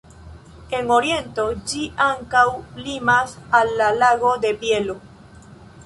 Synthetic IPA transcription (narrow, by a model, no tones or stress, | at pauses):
e̞ŋo̞ɾje̞nto̞d͡ʒiʔaŋkawlimasalːalaɡo̞d̪e̞pje̞lo̞